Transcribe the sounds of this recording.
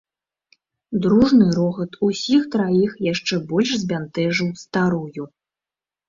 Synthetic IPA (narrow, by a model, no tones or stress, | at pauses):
d̪ɾuʐnɨɾɔɣɐt̪usʲixt̪ɾajixjaʂt͡ʂɛbɔlʲʂzʲbʲant̪ɛʐɨwst̪aɾuju